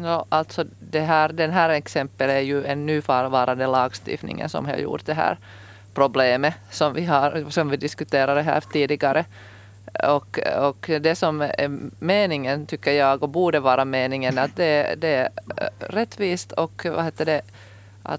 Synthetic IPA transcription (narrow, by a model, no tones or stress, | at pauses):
joːʔalt̪sɔd̪ɛɦæːɾd̪ɛnɦæːɾɛksɛmpːəlæɾjʉɛnːʉːfɑːɾʋɑːɾand̪əlɑːɡst̪ɪ̰ft̪nɪ̰ŋə̰nsɔ̰mhɑ̰jṵːʈ̚d̪ɛɦæ̰ːɾ | pʰɾʊbleːməsɔmvɪɦɑɾsɔmvɪd̪ɪskʉt̪eːɾaɖɛɦæ̰ːɾt̪iːd̪ɪɡɑɾʔə | ɔkɔkd̪ɛsɔmɛmeːnɪŋənt̪ʰʏkːəɾjɑːɡɔbuːɖəvɑːɾɑmeːnɪŋənat̪̚d̪ɛd̪ɛ | ɾɛt̪ːʋiːst̪ʰɔkva̰heːt̪ːəɖɛ | ʔa̰t̪